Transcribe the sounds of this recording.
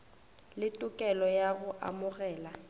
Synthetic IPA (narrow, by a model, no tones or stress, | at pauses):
lɪtʼʊkʼɛlɔjaɣʊʔa̰mʊɣɛːla